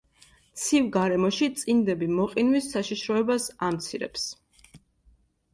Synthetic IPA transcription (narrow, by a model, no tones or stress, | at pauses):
t̪sʰivɡaɾɛmɔʃit̪sʼind̪ɛbimɔqʼinwisːaʃiʃɾɔɛbasamt̪sʰiɾɛ̰ps